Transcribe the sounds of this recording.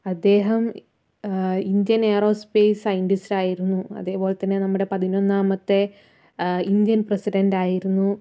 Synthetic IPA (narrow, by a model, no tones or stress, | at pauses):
ɐd̪ːe̞ːɦɐm | ind̪jɐneːro̞ːspe̞ːsɐjiɳɖusɾiaːjiɾunːuɐ̰ðeːpo̞ːle̞t̪ːɐnːenɐmːuɽe̞pɐðinonːaːmɐt̪ːe | ind̪jɐnprɐsiɖɐnɖaːjiɾunːu